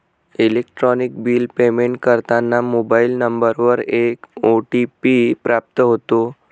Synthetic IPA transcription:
ilekʈɾɔnikbiːlpemeɳʈ̚kəɾt̪anːamobailnəmbəɾʋəɾekoʈipipɾap̚t̪əɦot̪o

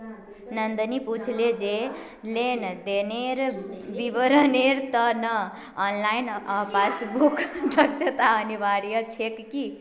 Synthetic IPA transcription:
nʌnd̪əniput͡ʃʰled͡ʒe | lend̪eneɾbibəɾəneɾt̪ʌnʌː | nlajnpʰasbukd̪ʱək̚t͡ʃʰət̪aənibaɽijət͡ʃʰekki

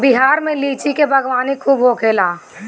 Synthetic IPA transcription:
bɪɦaːɾmẽliːt͡ʃikebʱɐɡʋaːnikʰuːbɦokʰeːlaː

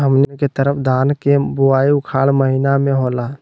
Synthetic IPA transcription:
ɦəmnket̪əɾəpʰd̪ʱaːnkebuaiʊkʰaːlməɦinamẽɦola

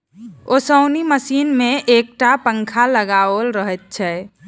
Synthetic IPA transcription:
osəʊniməsiːnmẽʔek̚ʈapə̃ŋkʰaləɡaolɾəɦɛt̪̚t͡ʃʰɛ

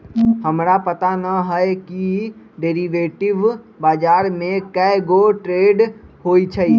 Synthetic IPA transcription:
həmɾapət̪anəɦəki | ɖeːɾiʋeːʈɪʋ | baːd͡ʒaːɾmẽkəɪɡoʈɾeːɖɦoːit͡ʃʰəi

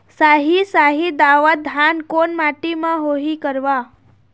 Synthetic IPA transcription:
saɦisaɦid̪aʋad̪ʱankonmaʈimãɦoɦikəɾʋa

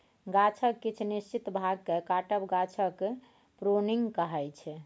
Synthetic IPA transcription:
ɡat͡ʃʰəkːit͡ʃʰnist͡ʃit̪bʱaɡ̚kekaʈəbɡat͡ʃʰək | pɾoniŋɡkəɦɛjt͡ʃʰɛ

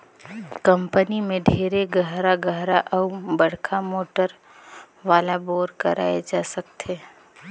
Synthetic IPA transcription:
kə̃mpənimẽɖʱeːɾeɡəɦɾaɡəɦɾaʔɔbəɽ̤kʰamoːʈəɾ | ʋaːlaboːɾkə̰ɾʔa̰ːed͡ʒaːsək̚t̪ʰeː

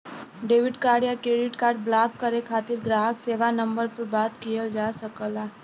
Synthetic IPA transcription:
ɖeːʋɪɖkaːɽjakɾeːɖɪʈkaːɾɖ̚blaːkːəɾekʰaːt̪ɪɾɡɾaːɦəkseːʋanɐ̃mbəɾpɐɾbaːt̪kijəld͡ʒaːsəkəlaː

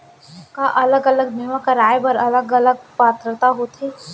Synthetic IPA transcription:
kaʔɐləɡɐləɡ̚d̪iʋakaɾaːjebɐɾɐləɡələɡ̚paːt̪ɾət̪aɦot̪ʰeː

